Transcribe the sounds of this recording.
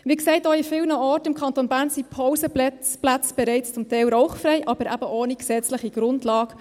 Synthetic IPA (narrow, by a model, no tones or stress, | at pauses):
ʋiksɛɪtoifɪːlnəɔtɪmkʰχɑntonbæːɾnsipʰɔwsə | plæt͡sb̥ɛɾɛɪt͡st͡sʊmtɛɪlɾɔwχfɾɛɪʔɑb̥əɾʔæb̥əʔoːniksɛt͡sləχiɡ̥ɾʊndlɑːɡ̥